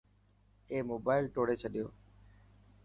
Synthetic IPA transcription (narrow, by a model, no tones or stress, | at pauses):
eːmoːbaɪlʈoɽeːt͡ʃʰəɗijoː